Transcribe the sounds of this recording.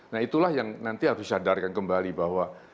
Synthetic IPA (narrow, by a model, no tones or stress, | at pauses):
naɦit̪ulahjaŋnant̪iɦaɾʊsadarkankəmbalibahwa